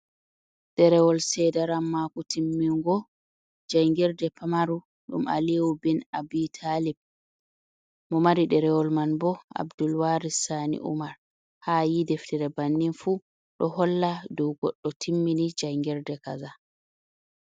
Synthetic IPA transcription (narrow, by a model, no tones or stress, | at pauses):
ɗɛɾɛwɔlsɛdaɾamːakutʰimːiŋɡɔ | d͡ʒajŋɡɛɾdɛpʰamaɾu | ɗṵma̰liwubinabitʰalib̚ | mɔmaɾiɗɛɾɛwɔlmanbɔa̰bdulwaɾisanḭʔṵmaɾ | haːjidɛftiɾɛbanːinfu | ɗɔhɔlːadɔwɡɔɗːɔtʰimːinid͡ʒajŋɡɛɾdɛkaza